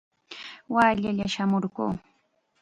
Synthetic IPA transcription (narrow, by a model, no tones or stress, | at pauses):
waːʎaʎaʃamoɾɢṵː